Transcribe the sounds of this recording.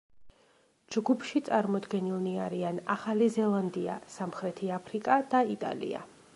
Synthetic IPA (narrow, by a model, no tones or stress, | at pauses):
d͡ʒɡupʰʃit̪sʼaɾmɔd̪ɡɛnilˠniaɾianaχalizɛlˠand̪ia̰samχɾɛt̪ʰiapʰɾikʼad̪̥ait̪ʼa̰lḭa̰